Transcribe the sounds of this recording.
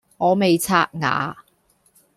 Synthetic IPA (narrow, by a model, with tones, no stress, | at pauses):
ŋɔː˨˧me˨jt͡sʰaː˥t̚ŋa̰ː˨˥˦